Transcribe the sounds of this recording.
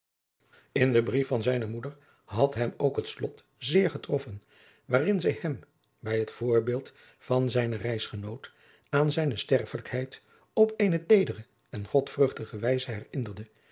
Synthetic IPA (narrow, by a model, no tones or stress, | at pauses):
ɪndəbrifɑnzɛjnəmudəɹ | ɦɑtɦɛmoʊkɦətslɔt | zɪːɹχətrɔfən | ʋaːrɪnzɛjhɛm | bɛjɦətfʊːɹbɪːlˠt | fɑnzɛjnərɛjsχənowt | aːnzɛjnəstɛrfələkhɛjt | ɔpejnətejdərə | ɛnχɔtfrɵχtəχəʋɛjzəɦɛrɪndərdə